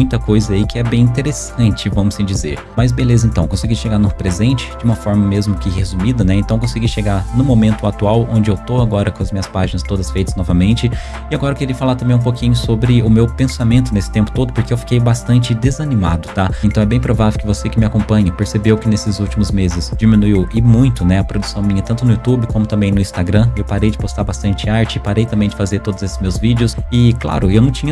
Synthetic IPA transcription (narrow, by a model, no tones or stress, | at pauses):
mũj̃t̪ɐkojzɐaikɪɛbẽj̃ĩt̪eɾesɐ̃nt͡ʃɪvɐ̃mʊsĩd͡ʒizḛɾmɐzbelezɐẽnt̪ɐ̃w̃kõsiɡiʃeɡaɾnʊpɾezẽnt͡ʃɪ̥d͡ʒɪũmɐfɔɾmɐmezmʊkɪhezumid̪ɐnɛẽt̪ɐ̃w̃kõsiɡiʃeɡanʊmomẽnt̪ʊat̪uawõnd͡ʒɪewt̪oaɡɔɾɐkõɐzmĩɲɐspaʒinɐst̪od̪ɐsfejt̪ɐznɔvɐmẽnt͡ʃɪ | ɪaɡɔɾɐekeɾiɐfalaɾt̪ɐ̃mbẽj̃ũpokĩɲʊsobɾɪʊmewpẽsamẽnt̪ʊnesɪ̥t̪ẽmpʊ̥t̪od̪ʊpoɾkeewfi̥kejbast̪ɐ̃nt͡ʃɪd̪ezɐnĩma̰d̪ʊt̪aẽt̪ɐ̃w̃ɛbẽj̃pɾovavewkɪvosekɪmɪakõmpɐ̃ɲɐpeɾsebewkɪnesɪzuwt͡ʃimʊzmezɪzd͡ʒimĩnuiwɪmũj̃t̪ʊnɛɐpɾod̪usɐ̃w̃mĩɲɐt̪ɐ̃nt̪ʊnʊjut̪ubɪkõmʊt̪ɐ̃mbẽj̃nʊĩst̪aɡɾɐ̃ewpaɾejd͡ʒɪpost̪aɾbast̪ɐ̃nt͡ʃɪaɾt͡ʃɪpaɾejt̪ɐ̃mbẽj̃d͡ʒɪfazeɾt̪od̪ʊzesɪ̥zmewzvid͡ʒɪʊsɪkla̰ɾʊewnɐ̃w̃t͡ʃĩɲɐ